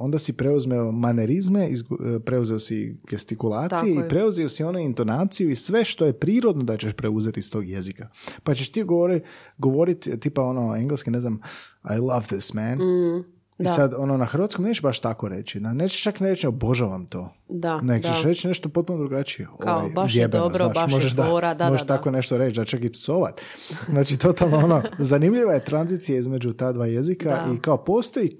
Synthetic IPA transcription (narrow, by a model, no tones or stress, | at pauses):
o̞nd̪asipɾe̞uzmeomaneɾizme̞ʔizpɾe̞uzeosiɡ̥est̪ikulˠaːt̪sijeipɾe̞uzeosio̞nuint̪o̞naːt̪sijuisʋe̞ʃt̪o̞je̞pɾiːɾo̞d̪nod̪at͡ɕeʃpɾeuze̞t̪ist̪o̞ːɡje̞zikapat͡ɕeʃt̪iːɡooɾiɡo̞ʋo̞ɾit̪t̪ːiːpao̞no̞eŋɡleskine̞znama̰jlˠaʋd̪ɪsmæn | isad̪o̞nonaxɾrʋat̪skomneːt͡ʃebaʃt̪ako̞ɾe̞t͡ʃianeːt͡ʃeʃt͡ʃakneɾet͡ʃoboʒaʋamt̪oː | d̪aneɡt͡ʃeʃɾet͡ʃine̞ʃt̪opo̞t̪̚punod̪ɾuɡat͡ʃieoed̪jebeaoʒeʃd̪amoʒeʃt̪akone̞ʃt̪oɾet͡ʃd̪at͡ʃakipsoʋa̰t̪ | znaːt͡ʃit̪o̞t̪alˠnoonozanimʎiʋaje̞t̪ɾanzit̪sijaizme̞d͡ʒut̪ad̪ʋaːjezikaʔikaopo̞ːst̪o̞ji